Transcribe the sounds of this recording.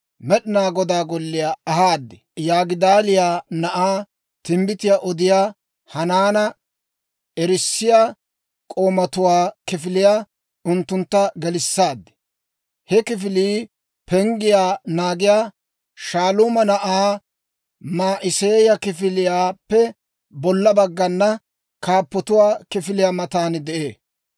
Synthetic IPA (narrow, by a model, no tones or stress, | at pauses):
mɛɗɪnaːɡɔd̪aːɡɔlːɪjaːɐhaːd̪ːɛ | jaːɡɪd̪aːlɪjaːnɐʔaː | t̪ɪmbɪt̪ɪjaːʔɔd̪ɪjaː | hɐnaːnɐ | ɛɾɪsːɪjaː | kʼo̞ːmɐt̪ʊwaːkɪfɪlɪjaː | ʊnt̪ːʊnt̪ːɐɡɛlɪsːaːd̪ːɛ̥ | hɛkɪfɪliː | pɛŋɡɪjaːnaːɡɪjaː | ʃaːluːmɐnɐʔaː | maːʔɪseːjɐkɪfɪlɪjaːpːɛ | bɔlːɐbɐɡːɐnːɐ | kaːpːɔt̪ʊwaːkɪfɪlɪjaːmɐt̪aːnd̪ɛʔeː